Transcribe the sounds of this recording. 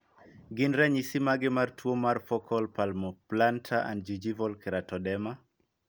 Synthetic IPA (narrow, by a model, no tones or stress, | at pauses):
ɡɪnɾɛɲisimaɡɪmartwomarfɔkʰɔlpalmɔplantʰaʔa̰ndd͡ʒid͡ʒivɔlkɪɾatɔdɛma